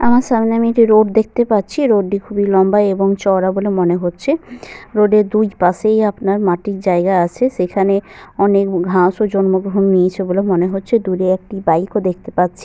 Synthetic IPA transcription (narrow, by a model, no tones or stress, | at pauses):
amaɾʃamneamieʈiɾoɖ̚d̪ek̚ʰt̪epatːɕʰiɾoɖːikʰubilɔmbaeboŋt͡ɕɔɾabolemoneɦotːɕʰeɾoɖeɾd̪ujpaʃejapnaɾmaʈik̚d͡ʑaeɡaat͡ɕʰeʃekʰaneɔnekɡʱãʃod͡ʑɔnmoɡɾoɦonːiet͡ɕʰebolemoneɦotːɕʰed̪uɾeek̚ʈibajkod̪ek̚ʰt̪epatːɕʰi̥